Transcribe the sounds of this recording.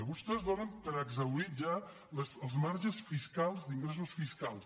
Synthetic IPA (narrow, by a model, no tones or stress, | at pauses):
βust̪ɛzβoɾəmpəɾəɡzəwiʒa | ləsəlˠzmaɾʒəsfiskalˠzd̪iŋɡɾes̬usfiskalˠs